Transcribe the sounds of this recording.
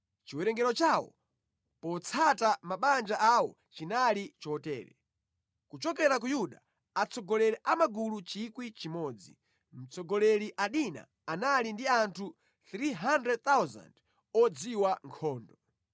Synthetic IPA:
t͡ʃiwɛɾɛŋɡɛɾɔt͡ʃawɔ̰ | pɔt͡sʰatamaɓand͡ʒaʔawɔ̰ | t͡ʃinalit͡ʃɔtɛ̰ːɾɛ̰ | kut͡ʃɔkɛɾakujuɗa | at͡sʰɔɡɔlɛɾɛʔamaɡulut͡ʃikwit͡ʃimɔːd͡zi | m̩t͡sʰɔɡɔlɛɾiʔaɗina̰ | analindiantʰu | θɾiɦandɾɛd̚t̪awza̰nd | ɔd͡ziwaŋkʰɔːndɔ

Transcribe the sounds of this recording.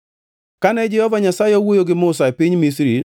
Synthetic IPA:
kanɛd͡ʒɛhɔvaɲasajeɔwojoɡɪmʊsaepɪɲmisiɾi

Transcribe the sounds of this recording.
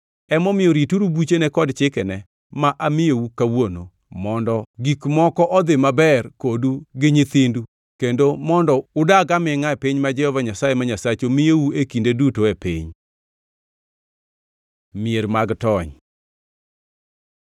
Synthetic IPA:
ɛmɔmɪjɔɾituɾubut͡ʃenɛkɔdt͡ʃɪkɛnɛ | maʔamɪjowukawono̰ | mɔndɔɡikmɔkɔʔɔd̪ɪmabɛrkoduɡɪɲɪt̪indu | kendomɔndɔʊdaɡamɪŋaɛpɪɲmad͡ʒɛhɔvaɲasajemaɲasat͡ʃomɪjowuekindedutoepɪ̰ɲ | mɪeɾmaɡtɔɲ

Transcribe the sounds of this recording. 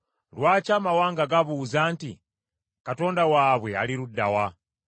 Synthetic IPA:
lwaːt͡ʃamawaːŋɡaɡaβuːzaːntḭ | kato̞ːndawaːβwe̞a̰liɾudːawa

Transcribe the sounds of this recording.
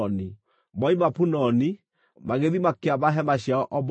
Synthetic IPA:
ni | mɔimapunɔni | maɣeðimakeaβaɦɛmaɕjaɔʔɔb

